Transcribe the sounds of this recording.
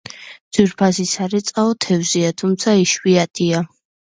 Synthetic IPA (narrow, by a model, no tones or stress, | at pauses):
d̪z̥wiɾpʰasisaɾɛt̪sʼaɔt̪ʰɛvziat̪ʰumt̪sʰaiʃwiat̪ʼia